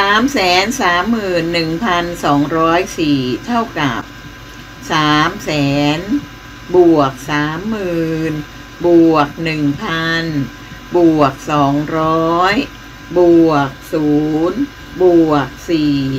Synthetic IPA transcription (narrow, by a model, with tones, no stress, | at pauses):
saː˨˩˦msɛː˨˩˦nsaː˩˦mːɯː˨˩nːɯ˨˩ŋpʰa˧nsɔː˩˦ŋɾɔː˦˥jsiː˨˩t̪ʰa˥˩wka˨˩p̚ | saː˩˦msɛː˩˦n | bu˨˩ək̚saː˩˦mːɯɯː˨˩˨n | bu˨˩ək̚nɯ˨˩ŋpʰa˧n | bu˨˩ək̚sɔː˩˦ŋɾɔː˦˥j | bu˨˩ək̚suː˨˩˦n | bu˨˩ək̚siː˨˩